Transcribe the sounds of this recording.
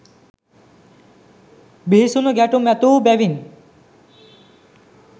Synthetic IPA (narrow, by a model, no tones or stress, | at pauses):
biɦisunoɡɛʈumɛt̪ubɛʋin